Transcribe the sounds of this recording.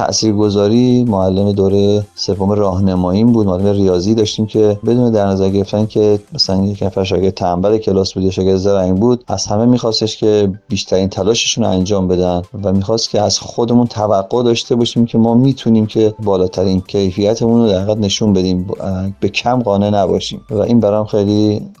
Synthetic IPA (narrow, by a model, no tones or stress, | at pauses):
t̪ʰæ̰ʔsiːɾɡo̞zɒːɾiːmoælːemed̪oɾejese̞vːomerɒːɦnemɒːjiːmbud̪̚moalːemerijɒːziːd̪ɒːʃt̪iːmcʰe̞be̞d̪uːned̪æɾnæzæɾɡeɾe̞ft̪æncʰe̞mæsælænjecnæfæɾʃ̬ɒːced̪t̪ʰæmbæɾecʰe̞lɒːsbuːd̪jɒʃɒːɡed̪zæɾæŋbuːd̪̥æ̰z̥hæme̞miːxɒːst̪eʃcʲʰe̞biːʃt̪ʰæɾiːnt̪ʰælɒːʃeʃuːnæ̰nd͡ʒɒːmbe̞d̪ænd̪væmiːxɒːst̪cʲʰeæzxod̪e̞munt̪ʰævæɡːod̪ɒːʃt̪e̞bɒːʃiːmcʰe̞mɒːmiːt̪ʰuniːmcʰe̞bɒːlɒːt̪ʰæɾiːncʰejfijæt̪ʰemunod̪æɾiːɣæd̪ne̞ʃunbe̞d̪iːmb̥e̞cʰæmɢɒːne̞næbɒ̰ʃḭːmvæʔiːnbæɾɒːmxejli